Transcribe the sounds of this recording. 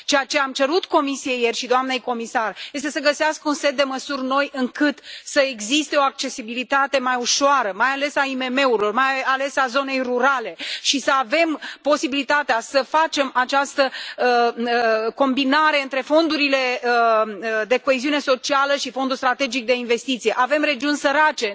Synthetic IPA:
t͡ʃejat͡ʃe̞amt͡ʃe̞ɾut̪ko̞misieje̞rʲʃid̪oamne̞jko̞misarje̞st̪e̞səɡəseaskəunse̞t̪̚d̪e̞məsurno̞jɨŋkɨt̪səeɡzist̪e̞o̞ak̚t͡ʃe̞sibilit̪at̪e̞majuʃoaɾəmajale̞saime̞me̞uɾilo̞rmajale̞sazo̞ne̞jruɾale̞ʃisəave̞mpo̞sibilit̪at̪easəfat͡ʃe̞mat͡ʃast̪ə | ko̞mbinaɾe̞ɨnt̪ɾe̞fo̞nd̪uɾile̞ | d̪e̞ko̞eziune̞so̞t͡ʃialəʃifo̞nd̪ulst̪ɾat̪e̞d͡ʒik̚d̪e̞inve̞st̪it̪sije̞ʔave̞mre̞d͡ʒiunsəɾat͡ʃe̞

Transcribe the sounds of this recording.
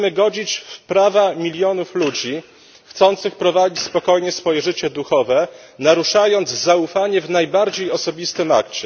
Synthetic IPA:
mɘɡɔd͡ʑit͡ɕfpɾavamʲilʲjɔnuflud͡ʑi | xt̪sɔnt̪sɘxpɾɔvad͡ʑit͡ɕspɔkɔjɲɛsfɔjɛʐɘt͡ɕɛd̪uxɔvɛ | naɾuʂajɔnd̪zzaufaɲɛvnajbaɾd͡ʑejɔsɔbʲist̪ɘma̰kt͡ɕɛ

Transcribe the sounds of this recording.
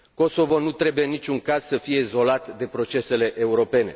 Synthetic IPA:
ko̞so̞vo̞nut̪ɾe̞bujeɨnːit͡ʃʲuŋkaz̥səfije̞izo̞lat̪d̪e̞pɾo̞t͡ʃe̞se̞le̞ʔeuɾo̞pe̞ne̞̰

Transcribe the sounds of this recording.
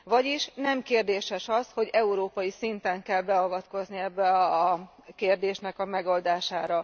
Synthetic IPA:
vɒɟiʃnɛmkeːrd̪eːʃɛʃɒsho̞ɟɛuɾoːpɒjisint̪ɛŋkɛlbɛɒvɒt̪ko̞zniɛbːɛɒkeːrd̪eːʃnɛkɒmɛɡo̞ld̪aːʃaːɾɒ

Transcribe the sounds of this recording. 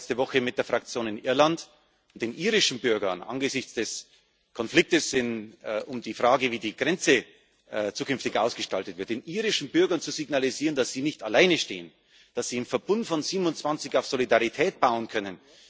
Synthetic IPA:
t͡stəvɔxəmɪt̚d̥eːɐfʁ̥ak̚t͡sjoːnɪnʔɪɐlant | ʊnt̚d̥eːnʔiːʁɪʃn̩bʏɐɡɐnʔa̰nɡəzɪçt͡sd̥ɛs | kʰɔnflɪk̚təsɪnʔʊmdiːfʁ̥aːɡəviːdiːɡ̥ʁɛnt͡sə | t͡suːkʏnftɪçʔa̰ʊsɡ̥əʃtaltətv̥ɪɐt̚d̥eːnʔiːʁɪʃn̩bʏɐɡɐnt͡suziɡnaliziːʁəndasz̥iːnɪçtalaɪnəʃtḛːən | d̥asz̥iːɪmfɛɐbʊntfɔnziːbnʊnt͡sv̥ant͡sɪçaʊfz̥olidaʁitʰɛːt̚b̥aʊənkʰœnən

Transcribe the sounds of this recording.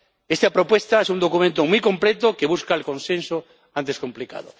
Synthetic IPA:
est̪apɾopwest̪aesund̪okumẽnt̪omujkomplet̪okeβuskaelkõnsẽnso | ãnt̪eskomplika̰ðo̰

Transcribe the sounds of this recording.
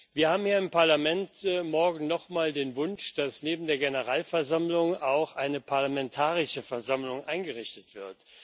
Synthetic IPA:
viːɐhaːbm̩jiːɪmpaɐlamɛntmɔɐɡŋ̩nɔχmaːldeːnvʊnʃd̥asneːbm̩deːɐɡenəʁaːlfɛɐzamlʊŋaʊxʔaɪnəpʰaɐlamɛntʰaːʁɪʃəfɛɐzamlʊŋʔaɪnɡəʁɪçtətv̥ɪɐt

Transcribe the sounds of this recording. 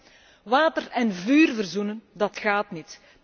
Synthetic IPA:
ʋaːtərɛnvyːrvərzunəndɑtxaːtnit

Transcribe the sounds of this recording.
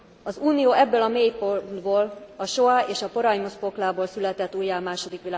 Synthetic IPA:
ɒzuːnijoːɛbːøːlɒmeːjpod̪boːlɒʃo̞aeːʃɒpo̞ɾɒjmospo̞klaːboːlsylɛt̪ɛt̪ːuːjːaːmaːʃo̞d̪ikʋilaː

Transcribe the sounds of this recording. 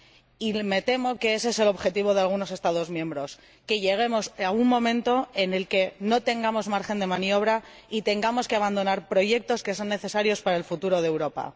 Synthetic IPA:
ime̞t̪e̞mo̞ke̞esese̞lo̞βxe̞t̪iβ̞o̞ðe̞alɣ̞uno̞se̞st̪að̞o̞zmjẽ̞mbɾo̞s | ke̞ʝe̞ɣ̞e̞mo̞sauŋmõ̞mẽ̞nt̪o̞e̞ne̞lke̞no̞t̪e̞ŋɡamo̞zmaɾxe̞nd̪e̞mãnjo̞β̞ɾa | it̪e̞ŋɡamo̞ske̞aβand̪o̞naɾpɾo̞ʝe̞k̚t̪o̞ske̞so̞nːe̞θe̞saɾjo̞spaɾaelfut̪uɾo̞ð̞ewɾo̞pa̰

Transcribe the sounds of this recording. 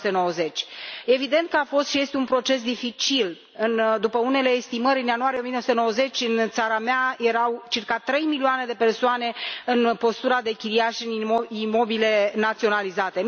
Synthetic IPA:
t̪eno̞wəze̞t͡ʃʲe̞vid̪e̞nt̪̚kəafo̞st̪ʃije̞st̪eunpɾo̞t͡ʃe̞s̬d̪ifit͡ʃil | ɨnd̪upəune̞le̞ːst̪iməɾʲɨnjanuaɾieomijenosut̪enowəze̞t͡ʃʲɨnt̪saɾameaje̞ɾawt͡ʃirkat̪ɾe̞jmilioane̞d̪e̞pe̞rsoane̞ɨnpo̞st̪uɾad̪e̞kʲiliaʃɨnimo̞bile̞nat̪sio̞nalizat̪e̞

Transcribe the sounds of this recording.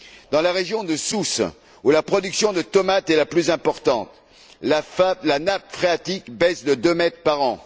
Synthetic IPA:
d̪ɑ̃laʁeʒjɔ̃d̪əsus | ulapχɔd̪yksjɔ̃d̪ət̪ɔmat̪ɛlaplyzɛ̃pɔʁt̪ɑ̃t̪ | lafalanap̚fχeat̪ikbɛsd̪əd̪ømɛt̪χpaʁɑ̃

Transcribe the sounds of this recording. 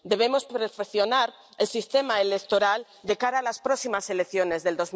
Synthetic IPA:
d̪e̞β̞e̞mo̞spɾefekθjo̞naɾ | elsist̪e̞maelek̚t̪o̞ɾal | d̪e̞kaɾaːlaspɾoksimase̞lekθjo̞nezðe̞ld̪o̞z

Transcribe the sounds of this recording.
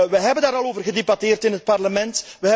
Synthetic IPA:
ʋəɦɛbəndaːɾɑloːvərɣədebɑteːrtɪnɦət̚pɑrləmɛntʋəɦɛ

